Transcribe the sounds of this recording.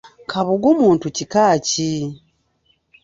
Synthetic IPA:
kʰaβoɡomuːntucikaːci

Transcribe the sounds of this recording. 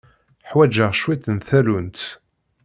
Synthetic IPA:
ħwæd͡ʒəʁʃwit̪ənθælunt̪

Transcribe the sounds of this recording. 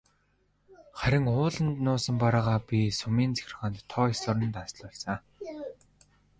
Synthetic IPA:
χæɾʲɪ̆ŋʊːɮə̆nt̪nʊːsə̆mpaɾaːʁaːpʲisʊmiːnt͡sʰe̥xʲr̆χə̆nt̪ʰːɔisɮʊɾə̆nt̪asɮʊɮsaː

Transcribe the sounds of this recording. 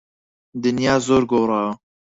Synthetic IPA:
d̪ɨnjɑːzoːɾɡoːɾɑːw

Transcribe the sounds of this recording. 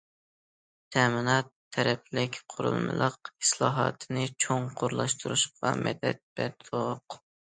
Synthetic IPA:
t̪ʰɛmɪnɑt̪ʰːɛɾɛplɪkʲqʰʊɾṵlˠmɨ̰lˠəqislˠɑːɦɑːt̪ʰɨnɨt͡ʃʰoŋqʰʊɾlˠɑʃt̪ʰuɾuʃɑmʔɛ̰d̪ɛt̪̚b̥ɛt̪ʰoq

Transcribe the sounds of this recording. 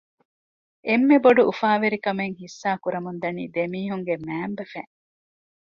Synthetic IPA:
ʔemːeboɖuʔufaːʋeɾikɐmeŋhisːaːkuɾɐmund̪ɐnḭːd̪emiːɦuŋɡemæːmbefæ̰ŋ

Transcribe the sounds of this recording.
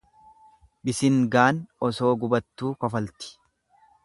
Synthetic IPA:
bɪsɪŋɡaːnɔso̞ːɡʊbɐt̪ːuːkɔfɐlt̪ɪ̥

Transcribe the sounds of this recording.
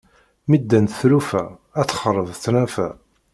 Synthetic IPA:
mid̪ːænt̪θlufææt͡sːχəɾˤəvθnæfæ

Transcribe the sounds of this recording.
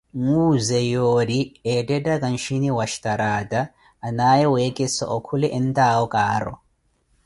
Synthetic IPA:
ŋuːzɛjoːdiedɛdakʼɐnʃiniwaʃtaɾaːtaː | naːjɛweːkʼɛsːɔ̰ʔɔkʰulɛʔɛnt̪aːwɔkʼaːɾɔ̰

